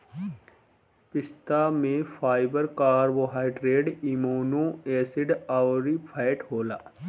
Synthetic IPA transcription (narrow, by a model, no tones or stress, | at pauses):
pɪst̪amẽfʰaːɪbəɾkaːɾwoɦaːɪɖɾeːɖimoːnõɛːsɪɖaːʊɾipʰaɪʈɦoːlaː